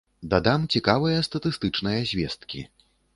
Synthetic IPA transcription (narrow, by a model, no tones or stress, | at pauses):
d̪ad̪amt͡sʲikavɨjɐst̪ɐt̪ɨst̪ɨt͡ʂnɐjɐzʲvʲɛst̪̚kʲḭ